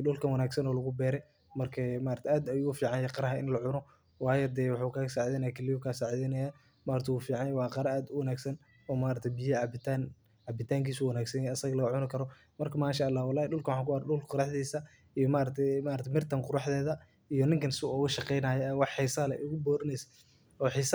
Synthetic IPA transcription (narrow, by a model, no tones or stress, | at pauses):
ɖʊlkʰɐnwɑnaːɡsɐnɔːlɐɣʊbɛːɾɛ | mɐrkʰɛmaːʔɾɐt̪ʰɛʔaːd̪ɐjʊɣʊfiːʕɑnjɛqɑɾɐɦɐɪ̰nlɐʕʊnɔ | wɑːjɔd̪ɛːwɑħukʰaːɣɐsaːʕðɛːnɐjakʰɛlɪjɔkʰaːsaːʕðɛnɐja | maːɾt̪ʰɛwuːfiːʕɑnjɛwɑːqɑɾɐaːd̪ʊwɐnaːɡsɐn | ɔːmaːɾɐt̪ʰɛbɪjbɪt̪an | ʕɑbɪt̪ʰaːŋkiːsuːwɐnaːɡsɐjɛɐsɐɣɐlɐɣɐʕʊnɐkʰɐɾɔ | mɐrkʰɐmaːʃaʔɐlːaːhwɑlːaːhɗʊlkʰɐwħɑːŋkʊɐɾɗʊlqɑɾɑħd̪iːsɐ | ijɔmaːɾɐt̪ʰɛmaːɾɐt̪ʰɛmɪrt̪ʰɐŋqʊɾɑħd̪ɛːðɐ | ijɔnɪŋkʰɐnsɪʊɣɐʃɑqɛjnaːjɛɛwɑħːɪsaːlɛ̰ʔʊɣʊbɔːɾɐnɛsɐ̥ | ɔːħɪs